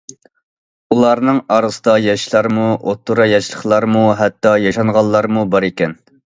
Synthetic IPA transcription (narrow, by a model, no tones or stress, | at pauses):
ulˠɑɾnɨŋɑɾɨsəd̪ɑjɑʃlˠɑɾmuʔot̪ʰːuɾɑjɑʃlˠəχlˠɑɾmuɦɛt̪ːɑjɑʃɑŋʁɑlˠːɑɾmubɑɾekʲɛn